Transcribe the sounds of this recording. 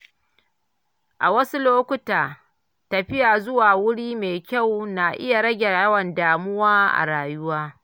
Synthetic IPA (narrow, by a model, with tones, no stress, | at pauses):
ʔa˨wɐ˦su˦loː˦kʷʊ˦taː˨ | tɐ˨ɸɪ˦jaː˨zʊ˦waː˨wʊ˦ɽiː˦meː˨kʲa˦˨wna˨ʔɪ̰˦ja˨ɽɐ˦ɡʲɛ˨jɐ˦wɐ˨ndaː˨mʊ˦waː˦ʔa̰˨ɽaː˨jʊ˦waː˦